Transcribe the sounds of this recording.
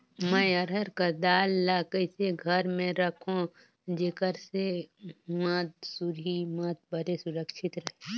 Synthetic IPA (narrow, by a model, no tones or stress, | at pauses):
mə̃jɐɾəɾkad̪aːlːaːkəɪseɡʱəɾmẽɾɐkʰõ | d͡ʒekəɾsemat̪̚sʊɾimat̪̚bəɾesʊɾəkʃɪt̪ɾɐɦe